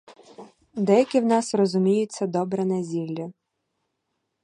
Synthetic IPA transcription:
d̪ɛjɐkʲɪwnɑsrɔzʊmʲijʊt͡sʲːɐd̪ɔbɾɐnɐzʲilʲːɐ

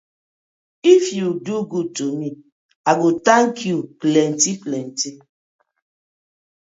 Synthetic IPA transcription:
ifjuduɡud̚tomi | aɡutaŋkʰjuklɛntiklɛnti

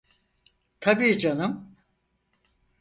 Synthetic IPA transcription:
t̪ʰabiːd͡ʒanɯm

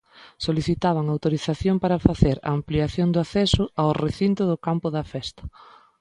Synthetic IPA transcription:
soliθit̪aβ̞ɐŋawt̪oɾiθaθjompaɾɐfaθeɾa̰ːmpliaθjoŋd̪ʊaθɛsʊawreθint̪ʊðʊkampʊðɐfɛst̪ɐ̥

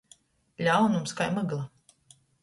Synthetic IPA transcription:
ʎʲawnumskajmaɡlˠa

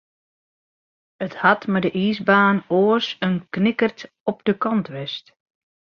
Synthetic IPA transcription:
əthatmadəʔiːzbaːnoːəsənknɪkərt | ɔp̚dəkɑntʋɪst

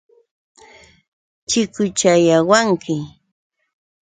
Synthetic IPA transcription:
t͡ʃɪkʊt͡ʃajawaŋkɪ

